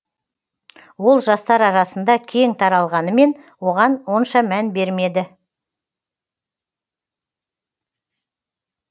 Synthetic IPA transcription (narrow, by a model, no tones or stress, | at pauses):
wo̞lˠʒɑst̪ɑɾɑɾɑsənd̪ɑkʲʰe̞ŋt̪ʰɑɾɑlˠʁɑnəme̞n | wo̞ʁɑnwo̞nʃɑmænbe̞ɾme̞d̪ɪ